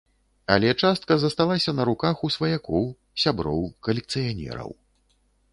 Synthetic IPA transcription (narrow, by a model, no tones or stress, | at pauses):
ɐ̰lʲɛt͡ʂast̪̚kɐzɐst̪alˠasʲɐnɐɾukaxusvɐjakɔw | sʲabɾɔ̰wkɐlʲɛk̚t̪sɨjanʲɛ̰ɾɐ̰w